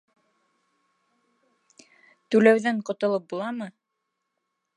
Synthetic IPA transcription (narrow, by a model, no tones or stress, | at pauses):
t̪ʉlæwðæɴqŏt̪ŏlˠɤp̚bulˠɑmɤ